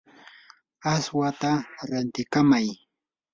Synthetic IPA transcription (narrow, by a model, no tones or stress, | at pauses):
aswat̪aɾant̪ɪkamaj